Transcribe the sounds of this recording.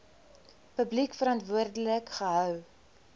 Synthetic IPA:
pəblikfəɾɐntvuərdələkχəɦœw

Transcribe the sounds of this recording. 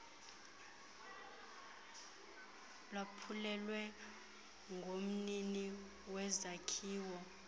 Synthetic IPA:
lwapʰulɛlwɛ | ŋɡʱom̩nini | wɛzakʰiːwɔ

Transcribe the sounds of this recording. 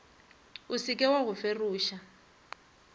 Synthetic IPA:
usikʼɛwaɣʊferuːʃa

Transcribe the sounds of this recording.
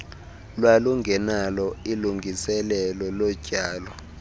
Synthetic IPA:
lwaluŋɡʱɛnalɔiluŋɡʱisɛlɛlɔlɔ̥ɟ̥ʱaːlɔ

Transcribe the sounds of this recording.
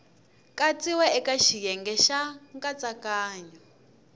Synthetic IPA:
kʼat͡siwɛɛkaʃijɛŋɡɛʃaŋkat͡sakaːɲɔ

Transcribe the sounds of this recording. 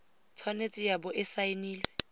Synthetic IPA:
t͡sʰwanet͡sʼɪjabʊʔɪsainiːlwɛ

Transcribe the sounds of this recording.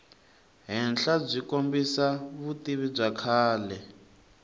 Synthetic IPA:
ɦɛnɬab͡ʐʷikombisaβutiβib͡ʐakʰaːlɛ

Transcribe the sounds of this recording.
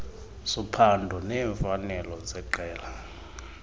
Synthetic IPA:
supʰandʱɔnɛːɱfanɛlɔzɛǃɛːla

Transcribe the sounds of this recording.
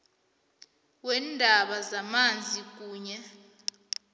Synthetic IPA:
wɛndʱaɓazamand͡zʱik̬ʼuːɲɛ

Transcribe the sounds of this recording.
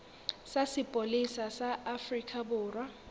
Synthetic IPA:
sasɪpʼolisasaʔːfrikʰʼabʊːrwa

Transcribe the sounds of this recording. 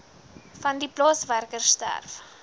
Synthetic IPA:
fɐndiplɑːsværkərstæ̰rf

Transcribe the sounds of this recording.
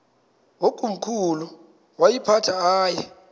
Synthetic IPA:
okʼum̩kʰulu | wajipʰatʰaaːjɛ

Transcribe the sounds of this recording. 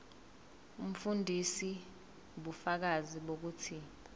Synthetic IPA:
um̩fundʱisi | ɓufak̬aziɓok̬uːtʰi

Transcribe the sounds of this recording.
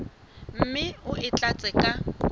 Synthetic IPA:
m̩mɪʊʔɪt͡ɬʼat͡sʼɛkʼa

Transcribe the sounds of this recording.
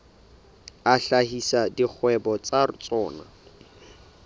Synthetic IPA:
aɬahisadik͡xʰwɛbɔt͡sarʊt͡sʼɔːna̰

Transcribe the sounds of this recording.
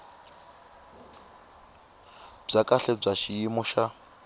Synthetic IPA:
b͡ʐakʼaɬɛb͡ʐaʃijimɔʃa

